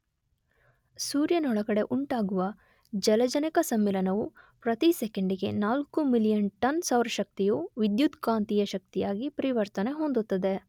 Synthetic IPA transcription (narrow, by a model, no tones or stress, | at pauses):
suːɾjɐnɔɭɐɡɐɽe̞ʔuɳʈaːɡuʋɐ | d͡ʒɐlɐd͡ʒɐnikɐsɐmːilɐnɐʋupɾɐt̪isɛkeɳɖiɡe̞̰naːlkumilijɐnʈɐnsaːʋɾɐʃɐk̚t̪ijuʋid̪jud̪kaːnt̪ijɐʃɐk̚t̪ijaːɡipɐɾiʋɐɾt̪ɐne̞ɦond̪ut̪ːɐd̪e̞